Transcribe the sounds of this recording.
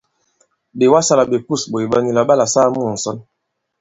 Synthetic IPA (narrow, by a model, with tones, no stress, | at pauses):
be˨wa˦sa˦la˨be˨ku˦˨sbo˨i˨ba˦ni˦la˨ba˦la˨saː˦mu˦˨n̩˨sɔ˦n